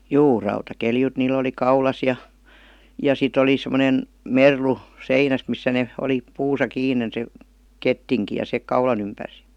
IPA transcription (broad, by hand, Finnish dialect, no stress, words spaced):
juː rɑutɑkeljut niːlˑ oli kɑulɑs jɑ jɑ sit oli semə̆nen merlu seinæs misːæ ne oli puːsɑ kiːnen se ketːiŋki jɑ se kɑulɑn ympærs